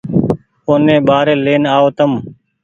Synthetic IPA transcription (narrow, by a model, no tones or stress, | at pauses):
oːnẽːɓaːɾeːleːnaːoːt̪əm